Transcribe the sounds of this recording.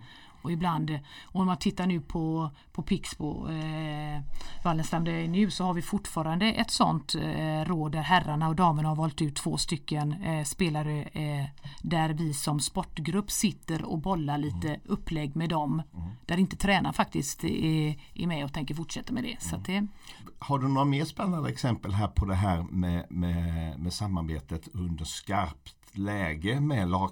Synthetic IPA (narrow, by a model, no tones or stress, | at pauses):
ɔɪbland̪ɔnɔmant̪ʰɪt̪ːaɳʉ̟ːpʰɔ | pʰɔpʰɪkspɔ̰ | valːənst̪amd̪ɛnʉ̟ːsɔhaɾvɪfʊʈfɑːɾand̪əʔɛt̪sɔ̰nt̪ɾoːd̪ːæɾɦæɾaɳaɔd̪ɑːməɳahaɾvɔːlt̪ʉ̟ːt̪ʰːv̥o̰ːst̪ʏkːənspeːlaɾə | d̪æɾvɪsɔmspɔʈːɡɾɵpːsɪt̪ːəɾɔ̰bɔlːaɭiːt̪əʔɵpːlɛɡːmɛd̪ɔmd̪̥æɾɪnt̪ə̥t̪ʰɾɛːnaɾfak̚t̪ɪskt̪ɛʔɛ̰mɛɔt̪ʰɛŋkəɾfʊʈʂɛt̪ːəɾmɛd̪ɛ̰sat̪̚d̪ɛhaɖɵnoːɾameːʂpɛnːand̪əɛksɛmpəlɦæːɾpʰɔd̪ɛɦæːɾmɛmɛmɛsamːaɾbḛːt̪ət̪ʰɵnd̪əʂkaɾpt̪lɛːɡəmɛlɑː